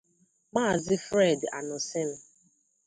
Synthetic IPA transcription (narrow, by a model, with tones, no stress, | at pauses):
ma˦˨zɪ˦fɾe˦˨da̰˨nʊ˨sɪ˦nʊ˨